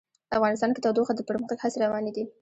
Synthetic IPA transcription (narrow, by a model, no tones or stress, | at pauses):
əafɣɑnɪst̪ɑnkɪt̪ɑwd̪oxad̪əpəɾməxt̪aɡhaseɾawɑned̪i